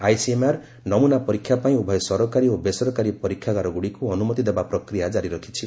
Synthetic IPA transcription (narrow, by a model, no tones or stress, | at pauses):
ajsiemaɾ | nɔmunapɔɾikʰːjapaĩubʱɔjsɔɾɔkaɾiobesɔɾɔkaɾipɔɾikʰːjaɡaɾɔɡuɽikuɔnumɔt̪id̪ebapɾɔkɾijad͡ʒaɾiɾɔkʰi̥t͡ʃʰi